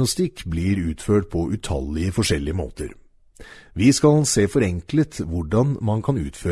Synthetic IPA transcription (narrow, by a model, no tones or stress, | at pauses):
nɑst̪ɪkːbliːɾʉːt̪føːʈ̚pʰɔʔʉt̪ʰɑ̰lːɪəfɔʂɛlːɪəmo̰ːt̪əɾ | ʋiːskɑlseːfɔɾɛŋklət̪ʋʊɖɑnmɑnkʰɑnʉ̰ːt̪føː